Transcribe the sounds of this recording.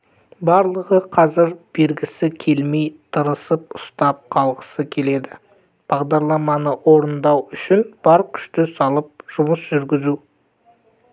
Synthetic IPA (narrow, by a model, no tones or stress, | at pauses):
bɑɾlˠəʁəqʰɑzɪɾb̥e̞lɡʲɪsɪkʲʰe̞lme̞jt̪ʰəɾəsəp̚ʊ̥st̪ɑp̚qʰɑlˠʁə̥səkʲʰe̞le̞d̪ɪ | b̥ɑʁd̪ɑɾlˠɑmɑnəʔwo̞ɾənd̪ɑwʏʃɪnb̥ɑɾkʲʰʏ̥ʃt̪ɪsɑlˠəp̚ʒ̥ʊməsʒ̥ʏɾɡʲɪzu